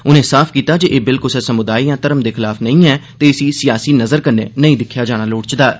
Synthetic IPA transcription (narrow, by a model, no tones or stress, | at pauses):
ʊnẽːsaːpʰkiːt̪aːd͡ʒeːʔeːbɪlkʊlsɛːsəmʊd̪aːiːjãːt̪əɾəmd̪eːkʰxɪlaːfnəĩːɛːt̪eːɪsiːsɪjaːsiːnəzəɾkəɾnḛːnəĩːd̪ɪkʰːjaːd͡ʒaːɽ̃aːloːɽt͡ʃd̪aːɛ